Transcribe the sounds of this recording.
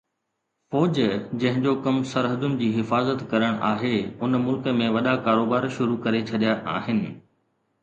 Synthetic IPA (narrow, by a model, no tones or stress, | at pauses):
fɔːd͡ʑd͡ʑɐ̃ɦɪ̃d͡ʑokɐmsɐɾɦəd̪ʊnɪ̆d͡ʑiːɦɪfaːzət̪kɐɾəɽ̃ʔa̰ːɦeʊnmʊlkə̆mẽʋɐɗakaːɾoːbaːɾʃʊɾukɐɾet͡ɕʰɐɗijaʔaːɦɪnɪ̆